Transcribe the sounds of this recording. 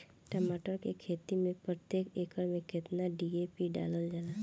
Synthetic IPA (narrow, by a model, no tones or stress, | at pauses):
ʈəmaːʈəɾkekʰeːt̪imẽpɾət̪jeːkeːkəɾmẽkɪt̪naɖieːpiɖa̰ːləld͡ʒaːla